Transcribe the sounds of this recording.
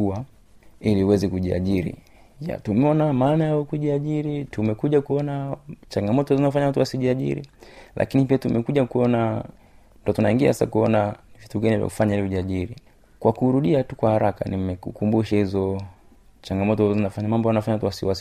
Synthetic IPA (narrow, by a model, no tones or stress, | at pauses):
ua | iliuwɛzɛkuʄia̰ʄiɾḭ | ja̰tumɛɔnamaːnajaɔkuʄiaʄiɾitumɛkuʄakuɔnat͡ʃaŋɡamɔtɔzinafaɲawatuwasiʄiaʄḭɾḭlʔa̰kinipiatumɛkuʄakuɔna | ndɔtunaiŋɡia̰hasa̰kuɔnavituɡanivja̰ku̥faɲailiuʄiaʄiɾi | kwakuɾuɗiatukwahaɾaka̰nimɛkukumbuʃahizɔ | t͡ʃaŋɡamɔtɔzɔzinafaɲamambɔanafaɲawatuwasiwas